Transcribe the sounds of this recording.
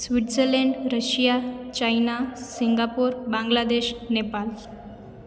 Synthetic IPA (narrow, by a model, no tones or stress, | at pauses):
sʋiʈseleɳɖɾəɕijat͡ɕajnasiŋɡapuɾbãŋɡlad̪eɕnepal